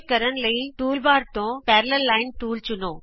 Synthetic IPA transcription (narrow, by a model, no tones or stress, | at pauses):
kɐɾəɽ̃̆lɐiʈuːlbaːɾt̪õpɛːɾləːaːɪnʈuːlt͡ɕʊnoː